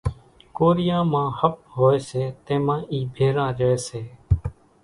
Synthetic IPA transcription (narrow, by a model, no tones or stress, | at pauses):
koːɾɪjãːmãːhəp̚ɦoːeːseːt̪ẽːmãːiːbʱeːɾãːɾəeːseː